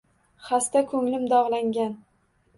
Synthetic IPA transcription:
χast̪akʰɵŋlɪmd̪ɒʁlˠaŋɡʲan

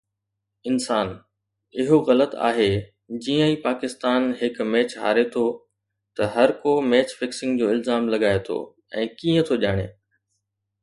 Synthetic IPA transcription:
ɪnsaːn | ɪɦoɣɐlət̪a̰ːɦe | d͡ʑiːə̃ĩːpaːkɪst̪aːnɦɪkmɛːt͡ɕɦa̰ːɾet̪ʰo | t̪ɐɦɐɾkomɛːt͡ɕfɪksɪ̃ŋɡd͡ʑoːɪlzaːmlɐɠaːet̪ʰo̰ː | ɛ̰̃ːkiːə̃t̪ʰoʄaːɽ̃ḛː

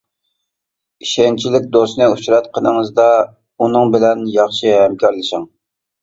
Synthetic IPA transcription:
iʃɛnt͡ʃʰilɪk̚ʲd̪osnɨuʃɾɑt̪̚qʰənəŋəzd̪ɑ | unɨŋbɪlɛnjɑχʃɨɦɛmkʰʲɑɾlˠɨʃɪŋ

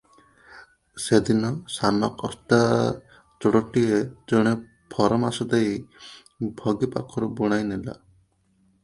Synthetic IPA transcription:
sed̪inɔsanɔkɔst̪a | t͡ʃɔɽɔʈied͡ʒɔɽ̃e | pʰɔɾɔmasɔd̪ej | bʱɔɡipa̰kʰɔɾɔbuɽ̃ajnela̰

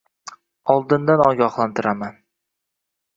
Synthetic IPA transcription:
ɒlˠd̪ɪnd̪anɒɡʲɒχlˠant̪ʰɪɾʔaman

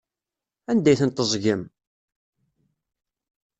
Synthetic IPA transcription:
ænd̪æjθənt̪əzˤʝəm

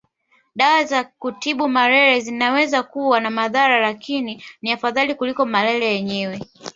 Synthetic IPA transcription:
ɗawazakutiɓumaɾɛɾɛzinawɛzakuwanamaðaɾalakininiafaðalikulikɔmalɛɾɛjɛɲɛwɛ

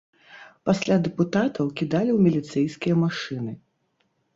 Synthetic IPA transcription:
pasʲlʲad̪ɛput̪at̪ɐwkʲid̪alʲiwmʲilʲit̪sɛjskʲijɐmaʂɨnɨ

